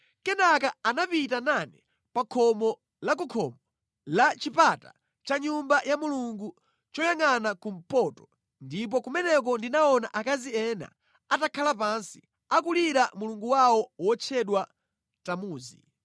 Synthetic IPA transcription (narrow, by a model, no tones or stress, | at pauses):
kɛnakaanapitananɛ | pakʰɔmɔ | lak̬ukʰɔmɔ | lat͡ʃipata | t͡ʃaɲumbajamuluŋɡu | t͡ʃɔjaŋanakum̩pɔtɔ̥ | ndip̬ɔkumɛnɛk̬ɔndinaɔnaʔakaziɛna̰ | atakʰalapansi̥ | akuliɾamuluŋɡuwawɔwɔt͡ʃʰɛɗwa | tamuːzḭ